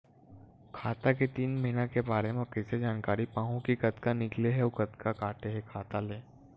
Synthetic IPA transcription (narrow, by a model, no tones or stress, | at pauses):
kʰaːt̪aket̪iːnmɐɦinakebaːɾemẽkəsed͡ʒaːnkaːɾipãːɦõkikɐt̪kanɪkleɦɛokɐt̪kakaːʈeɦɛkʰaːt̪aleː